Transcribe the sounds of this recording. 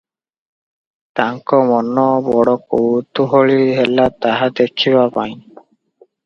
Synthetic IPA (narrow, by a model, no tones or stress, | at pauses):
t̪aŋkɔmɔnɔbɔɽɔkowt̪uɦoɭiɦɛlat̪aɦad̪ekʰiβapa̰j̃